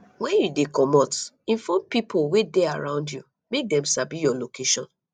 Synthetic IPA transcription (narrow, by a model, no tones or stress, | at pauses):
wɛ̃njudekɔmɔt | ĩnfɔ̃mpipʰowedeaɹãʊ̃ndju | mek̚dɛ̃msabijɔlokeʃɔ̃n